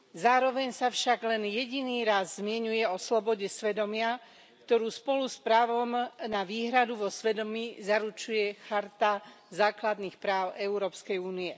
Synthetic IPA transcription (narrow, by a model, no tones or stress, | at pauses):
zaːɾɔʋɛɲsafʃaɡlɛnjɛɟiniːɾazzmɪɛɲujɛɔslɔbɔɟɛsʋɛd̪ɔmɪa | kt̪ɔɾuːspɔluspɾaːʋɔmnaʋiːɦɾad̪uʋɔsʋɛd̪ɔmiːzaɾut͡ʃujɛxaɾt̪a | zaːklad̪nixpɾaːʊɛuɾɔːpskɛjuːniɛ